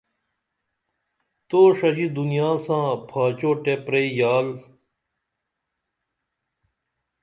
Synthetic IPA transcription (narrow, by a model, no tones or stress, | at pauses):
t̪oːʂɐd͡ʑid̪unijaːsãːpʰaːt͡ɕoːʈepɾeijaːl